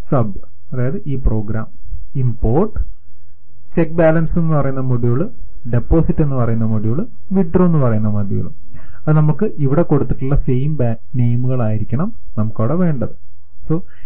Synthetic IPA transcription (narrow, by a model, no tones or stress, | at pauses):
sɐb | ɐðaːjɐðɨʔiːpro̞ːɡɾaːmimpo̞ːrʈːɨ̥ | t͡ɕe̞k̚ːbaːlɐnse̞nːɨpɐrɐjunːɐmoɽijoɭːɨ | ɖe̞pːo̞ːsiʈːe̞nːɨpɐrɐjunːɐmoɽijoɭɨ | ʋiɖroːenːɨpɐrɐjunːɐmɐd̪jḭjo̰ɭṵ | ɐðɨnɐmukːɨʔiʋiɽe̞ko̞ɽut̪ːi̥ʈːuɭːɐsejmb | ne̞jmuɣɐɭaːjiɾikʲːɐɳɐm | nɐmukːoːɽeʋe̞ːɳɖɐðɨ | so̞ː